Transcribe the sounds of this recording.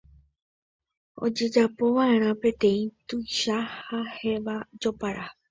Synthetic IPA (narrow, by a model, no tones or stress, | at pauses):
o̞̰d͡ʒe̞d͡ʒapo̞ʋaẽ̞ɾ̃ãpẽ̞t̪ẽ̞ĩt̪ujʃahahe̞ʋad͡ʒo̞paɾʔa